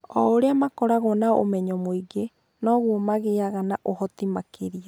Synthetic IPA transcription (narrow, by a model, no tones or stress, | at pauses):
ɔoɾeamakɔɾaɣɔnao̰mɛɲɔmoiɡe | nɔɣwomaɣeaɣanaʔohɔt̪imakʰeɾia